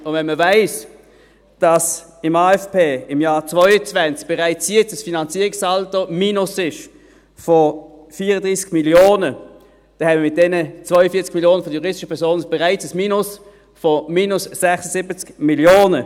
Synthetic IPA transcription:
ʊnvɛnməvaɪs | d̥ɑs | ɪmaːɛfpeːɪmjaːt͡svɔʏət͡svɛnt͡sk̚b̥ɛʁaɪt͡sjɛt͡səsfinɑnt͡siːʁɪksaltomiːnʊsɪʃ | fɔ | fiːʁədʁiːsɡ̥miljoːnə | d̥ɛnɛbmiːmɪt̚d̥ɛnət͡svœʏəfiːɐt͡skmiljoːnəfɔjuʁɪstɪʃəpʰɛɐsoːnəb̥ɛʁaɪt͡səsmiːnʊs | fɔmiːnʊsːɛχsəsɪbət͡skmiljoːnə

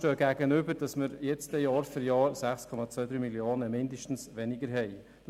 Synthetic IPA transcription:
tøːɡ̥æɡənʏbəɾd̥ɑsməɾjɛt͡stɛjɑːɾfɪɾjɑːɾsæχskʰɔmɑt͡sʋœːdɾyːmilioːnəmɪndəʃtn̩sʋɛnɪɡəɾɦɛɪ̥

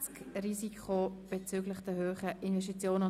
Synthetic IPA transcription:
t͡skrisikʰχob̥et͡syɡlɪχd̥əhøːχəʔinvɛʃ̬tit͡sjoːnə

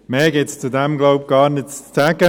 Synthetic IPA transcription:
mɛːɡɪtst͡sud̪ɛmɡloʊp̚ɡ̥ɑːɾnɪtt͡st͡sʰɛɡə

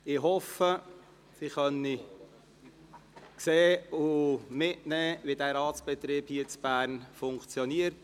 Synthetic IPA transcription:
ɪɦɔfə | siχœni | kseːʊmɪtnɛːʋidæːɾɑːtsb̥ɛt̪ɾiːbhiːət͡sb̥æːɾnfʊŋkt͡sjɔniəɾt

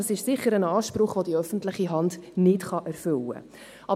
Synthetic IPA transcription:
əsɪʃsɪχəɾənɑːʃpɾʊχʋodiœfən̩tlɪχiɦɑndnɪtχɑʔæɾfʏlə̰ | ʔɑ

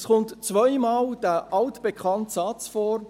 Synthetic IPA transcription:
sχʊntt͡svœɪmaːld̥æʔɑltb̥ekʰχɑntsɑt͡sfɔːɾ

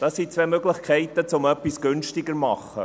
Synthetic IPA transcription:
d̥ɑsit͡sʋvɛmøɡlɪχkʰɛɪt̪ət͡sʊmœpːisɡ̥ʏnʃtɪɡəɾmɑχːə̰

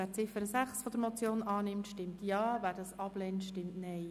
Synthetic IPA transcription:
æːɾt͡sɪfəɾəsæχsfɔd̪əɾmɔt͡sjoːnɑːnɪmtʃtɪmtjɑːvæːɾdɑːsɑb̥lɛntʃtɪmttnɛɪ

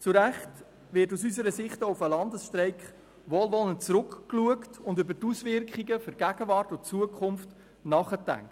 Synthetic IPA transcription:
t͡suɾæχt | vɪɾtusysəɾəsɪχtoufəlɑndəsʃtɾɛɪkχ | ʋoːlʋɔlənt͡sɾʊkkluəktʊndʏbətusvɪɾkχiɡəføɾɡæɡ̥əvɑːrtʊt͡suəkʰχʊmft | nɑːχətæ̰ŋt

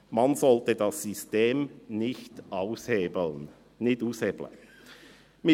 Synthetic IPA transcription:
mɑnzɔltədɑsːysteːmnɪçtʔaʊshen | nɪtuːsheːblə̰ | mɪ

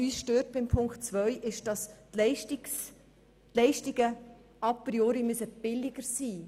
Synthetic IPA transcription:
yːsʃtøːt̚b̥ɪmpʰʊŋktt͡svœʏʔɪʃd̥ɑsɛɪʃtis | tlɛɪʃtiɡ̥ə | ɑpɾioːɾimysəb̥ɪlɪɡ̥əɾsiː

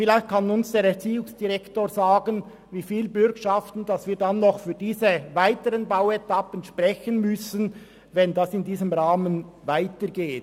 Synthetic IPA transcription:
fɪlaɪçt̚kʰanʊnsd̥eːɾɛʁt͡siːʊŋsd̥iʁɛktoːɾzaːɡən | viːfiːlbʏɾkʃaftn̩d̥ɑsviːɐdanːɔχfyːɾdiːzəvaɪtəʁənbaʊwɛtapənʃpʁɛçənmʏsən | vɛndasɪndiːzəmʁaːmənvaɪtəɡeːt

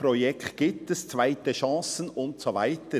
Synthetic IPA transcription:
pɾojɛkt̪ɡ̥iːp̚t̪əst͡svaɪtəʃɑ̃ːsənʊntsovaɪt̪ə

